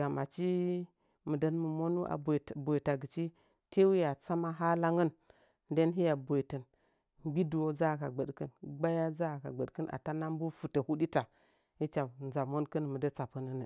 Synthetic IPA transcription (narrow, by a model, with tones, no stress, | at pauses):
ɡa˨ma˨t͡ʃi˦ | mə˨də˦nmu˨mo˦nu˦ʔa̰˨btbo˨i˨ta˨ɡə˨t͡ʃi˦ | te˦wi˦ja˨t͡sa˦ma˦ɦa˦la˦ŋə˦˨n | de˦nɦi˦ja˨bo˨i˨tə˨n | ɡ͡bi˦du˨wo˦d͡za˦˨ka˨ɡ͡bə˨ɗkə˦nɡ͡ba˦ja˦d͡za˦˨ka̰˨ɡ͡bə˨ɗkə˦nʔa̰˨ta˦na˦m˦bu˦fu˨tə˨hu˦ɗi˦ta˨ | i˦t͡ʃa˨nza˨mo˦nkə˦n˨mə˨də˦t͡sa˨pə˦nə˦nə˨